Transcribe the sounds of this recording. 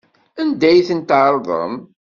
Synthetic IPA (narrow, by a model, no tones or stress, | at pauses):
ænd̪æjθənt̪ʕɾˤðˤə̰m